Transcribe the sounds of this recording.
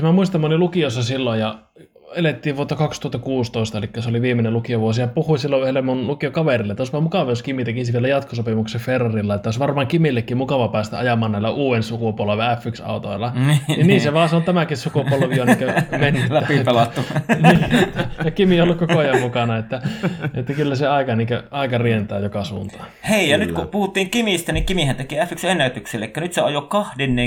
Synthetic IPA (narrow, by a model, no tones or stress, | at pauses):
mæmuist̪ɑmɑolilukiosːɑsilːojjɑ | elet̪ːiːʋʋuot̪ːɑkɑkst̪uhɑt̪ːɑkuːst̪oˑist̪ɑelikːæseoliʋiːmːˑenelukioʋuosijɑpuhuisilːoyhelːemunlukiokɑʋerilːet̪ːosʋɑːmukɑʋɑoskimit̪ækisʋielæjɑt̪kosopimukseferːɑrilːɑet̪ːæosʋɑrmɑːŋkimilːekːimmukɑʋɑpæːst̪æ̰ɑjɑmˑɑːnnæˑilːˑæʔuːensukupuolʋeæfːyksɑ̰ˑut̪o̰ilːˑɑnininiːseʋɑːseont̪æmækissukupuolʋioneŋkæmenːytlæːæpipelɑt̪ːuniːjɑkimiolːukkooɑjɑmmukɑnɑet̪ːæet̪ːækylːæseɑˑikɑniːŋkæɑikɑrient̪æːjokɑsuːnt̪ɑ̥heijɑnyt̪kupuhut̪ːiːŋkimist̪æniŋkimihænt̪ekiæfːyksenːæyt̪ykselːḛekːænyt̪seɑjokkɑhdenːeː